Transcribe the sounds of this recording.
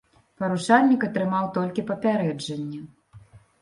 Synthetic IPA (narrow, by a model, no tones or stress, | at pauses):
pɐɾut͡ʂalʲnʲikɐt̪ɾɨmawt̪ɔlʲkʲipɐpʲaɾɛd͡ʐɐnʲːɐ